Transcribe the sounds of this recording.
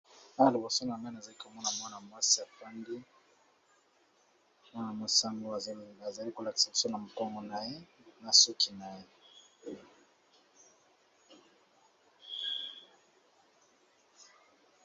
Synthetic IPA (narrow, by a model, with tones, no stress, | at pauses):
a˦˨li˨bo˨so˦na˨ŋɡa˦na˨za˨li˦ko˨mɔ˦na˨mwa˦na˨mwa˦si˨a˨fa˦nɡi˦ | mwa˦na˨mo˨sa˦mo˦˨a˨za˨li˦ko˨la˨ki̥˨sa˨bo˨so˦na˨mu˨kɔ˦mɔ˨na˨je˦na˨su˦ki˨na˨je˦